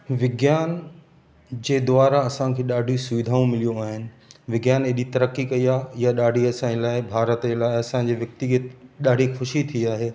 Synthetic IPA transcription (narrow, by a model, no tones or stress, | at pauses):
ʋɪɡjaːn | d͡ʑeːd̪ʊaːɾaɐsãkʰeːɗaːɖʱiosʊʋɪd̪ʱaːũmɪlijũaːɦɪnɪ̆ | ʋɪɡjaːneɗit̪ɐɾəkːikɐiaːɦjaɗaːɖʱiɐsãd͡ʑelaːɪbʱaːɾət̪d͡ʑelaːɪɐsãd͡ʑeːʋjɐk̚t̪ɪɡət̪ɗaːɖʱixʊʃit̪ʰiiaːɦeː